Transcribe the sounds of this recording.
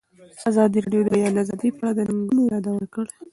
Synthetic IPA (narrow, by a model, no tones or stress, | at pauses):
azɑd̪iɾeɖjod̪əjɑd̪azɑd̪ipːɽad̪ənaŋɡunojɑd̪awəɾkəɽ